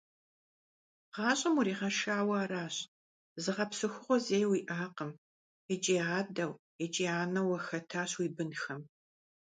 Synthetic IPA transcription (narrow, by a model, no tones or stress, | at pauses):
ʁɑːɕʼɐmuɾiːʁɐʃaːwɐaːɾaːɕ | zɨʁɐpsɨxʷʊʁʷɔzeːjwiːʔaːqəm | ɛt͡ʃʼiːaːdɐw | ɛt͡ʃʼiːaːnɐwɐxɐtʰaːɕwiːbɨnxɐm